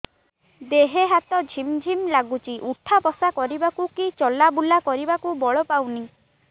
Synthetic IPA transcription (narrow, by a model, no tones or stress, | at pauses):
d̪eɦeɦat̪ɔd͡ʒʱimd͡ʒʱimlaɡut͡ʃiʔuʈʰapɔsakɔɾibakukit͡ʃɔlabulakɔɾibakubɔɭɔpawni